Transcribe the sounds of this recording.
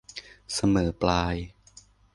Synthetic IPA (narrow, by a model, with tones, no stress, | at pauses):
sa˧mɤː˩˦plaː˧j